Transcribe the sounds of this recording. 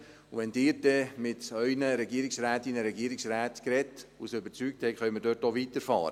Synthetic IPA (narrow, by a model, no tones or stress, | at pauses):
uʋɛndɪːɾd̥ɛmɪtœʏnəɾɛɡiəɾɪksræːtɪnːəɾɛɡiəɾɪksɾæːtkɾɛtṵsəʏbəɾt͡syːk̚thɛɪkχœɥməɾdøːɾtoviːtəɾfɑ̰ːɾə